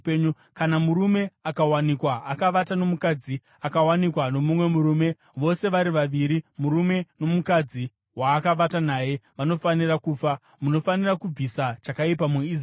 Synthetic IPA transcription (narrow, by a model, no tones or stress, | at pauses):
ɲu | kanamuɾume̞akawanikwaːkaʋatano̞mukad͡zi | akawanikwano̞mumwe̞muɾuːme̞ | ʋo̞se̞ʋaɾiʋaʋiɾimuɾume̞no̞mukad͡zi | waːkaʋatanaːje̞ʋano̞fanirakuːfa | muno̞fanirakub͡visat͡ʃakaipamui